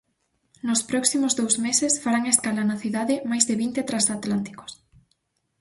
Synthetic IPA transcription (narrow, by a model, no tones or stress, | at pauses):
nʊspɾɔksimʊzðowzmesɪsfaɾaŋeskalanaθiðaðɪmajzðɪβint̪et̪ɾasat̪lant̪i̥kʊ̥s